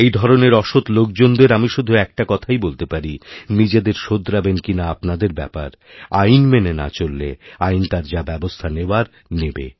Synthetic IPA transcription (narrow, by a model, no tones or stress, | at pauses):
ejd̪ʱɔɾoneɾɔʃot̪lok̚d͡ʑond̪eɾamiʃud̪ʱuɛk̚ʈakɔt̪ʰajbolt̪epaɾinid͡ʑed̪eɾʃod̪ɾabenkinaapnad̪eɾbɛ̰pa̰ɾ | ajnmenena̰t͡ɕolːḛajnt̪aɾd͡ʑabɛbost̪ʰaneoaɾ | nebḛ